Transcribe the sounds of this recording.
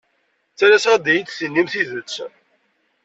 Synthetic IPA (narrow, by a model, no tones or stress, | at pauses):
t͡sːæɾæsd̪ijit͡sθənːimθiðət͡sː